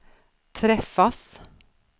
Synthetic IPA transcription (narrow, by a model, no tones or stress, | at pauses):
t̪ʰɾɛfːas